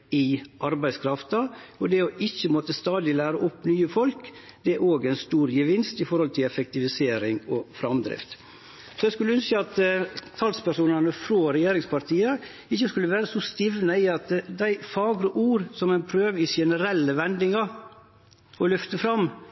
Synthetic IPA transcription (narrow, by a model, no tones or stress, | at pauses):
ɪʔɑɾbæɪskʰɾɑft̪ɑɔd̪ɛɔʔɪçːəmɔt̪əst̪ɑːd̪ɪlæːɾəʔʊpnyːəfɔlk | d̪̥ɛʔoːɡɛɪnst̪uːɾjəʋɪnst̪ɪfɔɾhɔlt̪ʰɪlɛfɛk̚t̪ɪʋɪseːɾɪŋɔfɾɑmd̪ɾɪ̰ft̪ | sɔɛɪskʉləʉnskəɑt̪t̪ʰɑlspæʂuːnɑnəfɾoːɾɛjeːɾɪŋspɑɾt̪ʰiːə | ɪçːəskʉlːəʋæːɾəsɔst̪ɪʋnəɪɑt̪d̪æɪfɑːɡɾəʔuːɾsɔmænpʰɾøːʋɪʃɛnəɾɛlːəʋɛnd̪ɪŋɑɾ | ɔlʏft̪əfɾɑmː